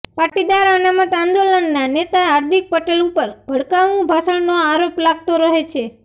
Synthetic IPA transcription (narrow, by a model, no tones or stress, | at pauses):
paʈid̪aɾanamət̪ãnd̪olənːanet̪aɦaɾd̪ʱik̚pəʈelupəɾbʱəɽkaʋnũbʱasəɽnoaɾoplaɡ̚t̪oɾəɦet͡ʃʰe